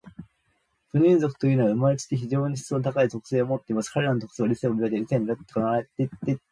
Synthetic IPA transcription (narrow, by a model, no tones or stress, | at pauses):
ɸɯ̟ɲ̟ĩnzo̞kɯ̟̥t̪o̞jɯ̟ːnoβaɯ̟maɾet͡ɕi̥t̪ːeçiʑo̞ːɲ̟içi̥t͡sonot̪̬akaizo̞kɯ̥se̞ːomo̞t̪ːeimasɨ̥kaɾe̞ɾanot̪o̞kɯ̥seːɾʲiseobʲied̪eɾʲiseɲiɾat̪ːe̥knaaɾet̪et̪ːe